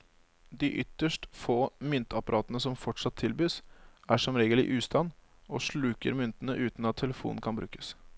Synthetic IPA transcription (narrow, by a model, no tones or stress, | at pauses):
d̪ɪʔʏt̪ːəʂʈfoːmʏnt̪ɑpɑɾʔɑːt̪ənəsɔmfɔʈʂɑt̪ʰːɪlbyːsæʂɔmɾeːɡəlɪ̰ʔʉːst̪ɑn | ɔʂɭʉːkə̰ɾmʏnt̪ənəʔʉːt̪nɑt̪ʰːɛləfṵːnn̩kʰɑnbɾʉ̰ːkə̥s